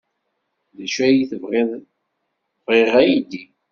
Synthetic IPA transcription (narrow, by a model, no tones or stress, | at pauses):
ðæʃæjiθəvʁeð | vʁeʁæjid̪i